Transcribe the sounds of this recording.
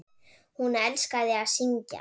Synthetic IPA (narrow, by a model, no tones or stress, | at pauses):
hunɛlskaðɪaðsiɲca̰